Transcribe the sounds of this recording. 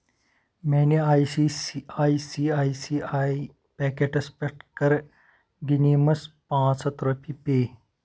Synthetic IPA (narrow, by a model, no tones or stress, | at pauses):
mɛːniajsiaːisiːaːisiai | pɛkeʈɐspeʈkəɾ | ɡinimɐspãːt͡sɐt̪ɾopʰipeː